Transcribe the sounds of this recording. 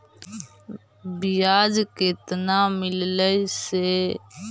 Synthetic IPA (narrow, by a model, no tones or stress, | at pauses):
bɪjaːd͡ʒket̪naːmɪlləiseː